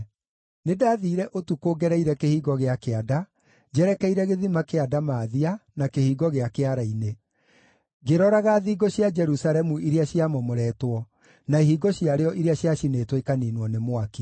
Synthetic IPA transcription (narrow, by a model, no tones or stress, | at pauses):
nedaːðiːɾɛʔotukoːɡɛɾɛiɾɛkehiːɣɔɣeakeada | d͡ʑɛɾɛkɛiɾɛɣeðimakeadamaːðianakehiːɡɔɣeakeaɾaine | ɡeɾɔɾaɣaðiːɡɔɕjad͡ʒɛɾusaɾɛmuʔiɾeaɕiamɔmoɾɛːtwɔ | naiɦiːɡɔɕiaɾeɔʔiɾeaɕjaɕineːtwekaniːnwɔnemwaki